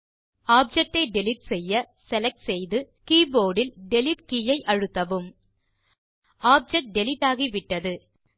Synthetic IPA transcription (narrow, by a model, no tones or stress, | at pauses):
aːp̚d͡ʒɛk̚ʈːɐɪɖɛlɪʈsɛjːɐ | sɛlɛk̚ʈsɛjðɯ | kiːboːɽɪlɖɛlɪʈ̚kijɐɪʔɐɻɯt̪ːɐʋɯm | ʔaːp̚d͡ʒɛkʈ̚ɖɛlɪʈːaːɣiʋɪʈːɐðɯ